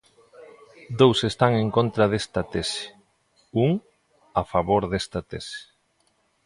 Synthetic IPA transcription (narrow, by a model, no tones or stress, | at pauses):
d̪owsest̪aŋeŋkont̪ɾað̞est̪ɐt̪esɪ̥ | uŋ | afaβoɾðest̪at̪esɪ̥